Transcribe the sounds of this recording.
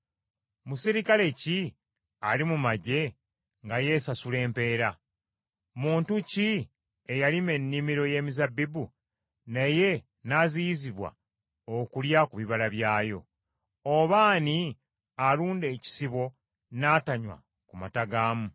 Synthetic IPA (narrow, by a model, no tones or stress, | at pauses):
musiɾikale̞ci | alimumaɟe̞ | ŋɡaje̞ːsasule̞ːmpe̞ːɾa | muːntuci | ejalime̞nːimiɾo̞je̞ːmizabːibu | neje̞ | nazijiziβwa̰ | okuljakuβiβalaβjaːjo̞̰ | oβaːni | aluːnde̞ːci̥siβo̞ | nataɲwa̰ | kuma̰taɡaːmu